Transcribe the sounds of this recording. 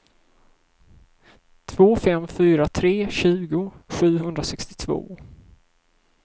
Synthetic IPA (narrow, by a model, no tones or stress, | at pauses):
t̪ʰv̥oːfɛmːfyːɾat̪ʰɾeːɕʉ̟ːɡʊɧʉ̟ːɦɵnd̪ɾasɛkst̪ɪ̥t̪ʰvo̰ː